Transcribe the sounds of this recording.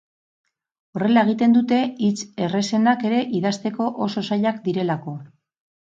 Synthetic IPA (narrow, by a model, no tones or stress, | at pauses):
o̞re̞laeɣ̞it̪e̞nd̪ut̪e̞it͡sere̞se̞nake̞ɾe̞ʔiðast̪e̞ko̞ʔoso̞saʎakd̪iɾe̞lako̞